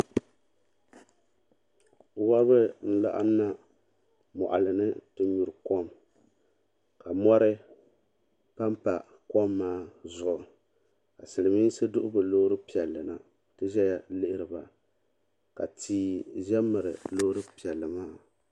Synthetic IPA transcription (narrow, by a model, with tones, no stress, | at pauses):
wa˦βɨ˦n̩˦la̰˨ʔa̰˦na˦ | mɔ̰˨ʔa̰˨lɨ˨nɨ˦tɨ˦ɲu˨ɾɨ˨kɔ˦m | ka˨mɔ˦ɾɨ˦ | pa˦mpa˨ | kɔ˦mːaː˦zʊ˨ʔʊ˨ | ka˨sɨ˨lɨ˨mi˦n˦sɨ˦dʊ˦ʔʊ˦bɨ˨lo˦ɾɨ˦pi˨ɛ˨lːɨ˨na˨ | tɨ˦ʒɛ˦ja˨lɪ˦ʔɪ˦ɾɨ˨ba˨ | ka̰˨tiː˦ʒɛ˦mːɨ˨ɾɨ̰˨lo˦hɾɨ˦pi˨ɛ˨lːɨ˨maː˦